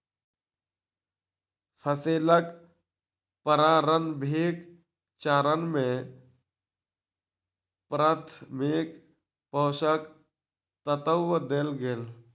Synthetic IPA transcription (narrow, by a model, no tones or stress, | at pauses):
pʰəseːlək | pəɾãːɾənbʱeːk | t͡ʃaːɾənmẽ | pɾət̪ʰmeːk | pɔːʃək | t̪ət̪əwəd̪elɡeːl